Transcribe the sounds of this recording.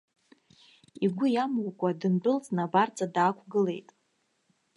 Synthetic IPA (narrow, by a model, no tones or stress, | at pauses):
iɡʷʊjamwʷkʷʼadɨnbʼʊlt͡sʼnabart͡sʼadaːkʷʰɡɨle̞jtʼ